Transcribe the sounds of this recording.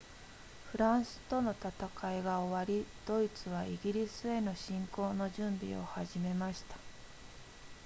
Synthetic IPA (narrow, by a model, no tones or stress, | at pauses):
ɸɯ̟ɾãɰ̃sɨ̥t̪o̞no̞t̪at̪akaeɡaoβaɾʲid̪̥o̞it͡sɨβ̞aiɡʲiɾʲisɨe̞no̞ɕĩŋko̞ːno̞ʑɨ̃mbʲḭo̞̰haʑime̞maɕi̥t̪ḁ